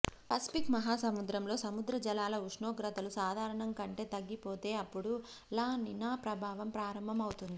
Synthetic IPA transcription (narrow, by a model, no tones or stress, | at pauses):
pɐsi̥pikmɐɦaːsɐmud̪ɾɐmlo̞ːsɐmud̪ɾɐd͡ʒɐlaːlɐuʂɳoːɡɾɐt̪ɐlusaːd̪ʱaːɾɐɳɐŋkɐɳʈe̞ːt̪ɐɡːipo̞ːt̪e̞ːɐpːuɽu | laːninaːpɾɐbʱaːʋɐmpɾaːɾɐmbʱɐmɐwut̪und̪i